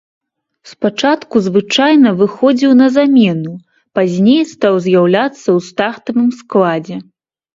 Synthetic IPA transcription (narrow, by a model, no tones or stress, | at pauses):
spat͡ʂat̪kuzvɨt͡ʂajnɐvɨxɔd͡zʲiwnɐzamʲɛnu | pazʲnʲejst̪awzʲjawlʲat̪sːɐwst̪aχt̪ɐvɨmsklˠad͡zʲɛ